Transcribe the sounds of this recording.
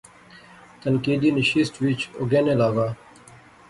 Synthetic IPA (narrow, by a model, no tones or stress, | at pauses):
t̪ɐnkiːd̪inɪʃiːsʈʋit͡ʃo̰ɡeːnelaːɡaː